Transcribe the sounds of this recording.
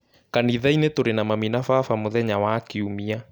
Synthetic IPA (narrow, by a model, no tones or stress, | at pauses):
kaniðainetoɾenamaminafaːfamoðɛɲawaːkiumia